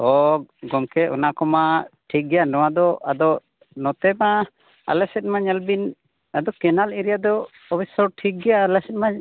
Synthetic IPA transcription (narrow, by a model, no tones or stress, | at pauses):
ɔɡɔmkɛʔɔnakɔmaʈʰik̚ɡɛjanɔwad̪ɔa̰d̪ɔ | nɔt̪ɛma | a̰lɛsɛt̪̚maɲalbin | ad̪ɔkɛnaliɾijad̪ɔː | bʰisɔɾʈʰik̚ɡɛjalɛsɛt̪̚maɲ